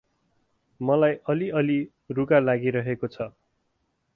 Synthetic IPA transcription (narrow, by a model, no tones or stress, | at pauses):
mʌlajʔʌliʌli | ruɡalaɡiɾʌɦekot͡sʰʌ